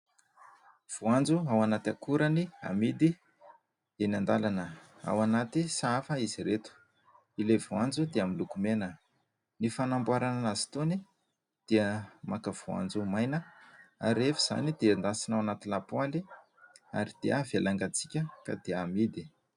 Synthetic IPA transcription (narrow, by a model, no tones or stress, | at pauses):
v̥uand͡zuawanat̪akuɾənia̰mid̪i | enand̪alanə | a̰wanat̪isaafəiziɾet̪u̥ | ilevuand͡zud̪eamilukumenə | nifanambuaɾananazi̥t̪oni | d̪̥eəmakəv̥ua̰nd͡zumajnəa̰ɾefiz̥a̰nid̪eand̪asinawanat̪ilapwali | a̰ɾid̪̥eavelaŋɡat͡si̥kʲəka̰d̪eamid̪i